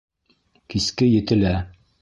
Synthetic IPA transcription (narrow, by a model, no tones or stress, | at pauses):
kiskɘjɘ̆t̪ɘ̆læ